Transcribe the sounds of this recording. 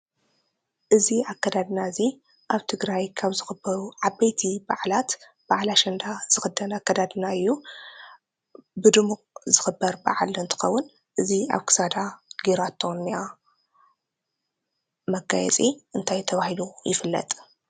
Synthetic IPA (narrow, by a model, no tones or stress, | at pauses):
ʔɨziakːɐd̪ad̪ɨnazi | ʔaβt̪ʰɨɡɾajkʰaβzɨxɨbːɐɾuʕabɐjt̪ʰibaʕlat̪ | b̥aʕlaʃɐnd̪az̥ɨxɨd̪ɐnakːɐd̪ad̪ɨnaɨjːu | bɨd̪ɨmukʼzɨxɨbːɐɾbaʕalɨnt̪ʰɨ̥xɐwːʊn | ʔɨzia̰βkʰɨ̥sad̪aɡiɾat̪ʰːonːija | mɐɡajɛ̰t͡sʼiʔɨnt̪ʰajt̪ʰɐβahilujɪfɨlːɐ̰t̪ʼ